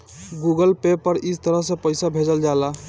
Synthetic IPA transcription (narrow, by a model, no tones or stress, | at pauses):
ɡuɡəlpepəɾist̪əɾəɦsẽpəɪsabʱed͡ʒəld͡ʒala